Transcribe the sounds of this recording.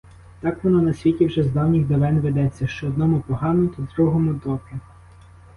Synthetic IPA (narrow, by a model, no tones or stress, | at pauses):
t̪ɑkʋɔnɔnɐsʲʋʲitʲiwʒɛzd̪ɑwnʲiɣd̪eʋɛnʋed̪ɛt͡sʲːɐʃt͡ʃɔːd̪nɔmʊpɔɦɑnʊt̪ʲɪd̪ɾuɦɔmʊd̪ɔpɪ